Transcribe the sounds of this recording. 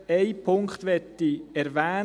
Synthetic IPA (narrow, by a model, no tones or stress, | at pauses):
eɪpʰʊŋkχt̪ʋɛtːiɛɾvæː